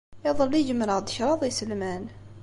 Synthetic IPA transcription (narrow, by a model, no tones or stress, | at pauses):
ɑðˤəlːid͡ʒəmɾəʁd̪əʃɾˤɑðˤisəlmæn